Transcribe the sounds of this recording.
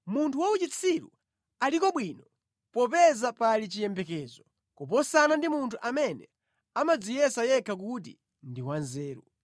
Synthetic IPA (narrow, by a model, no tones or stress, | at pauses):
muntʰuwaut͡ʃit͡sʰiɾṵ | alikɔɓwiːnɔ | pɔpɛzapalit͡ʃijɛmbɛkɛːzɔ | kup̬ɔsanandimuntʰuʔamɛnɛ | amad͡zijɛsajɛkʰakut̬ḭ | ndiwanzɛːɾṵ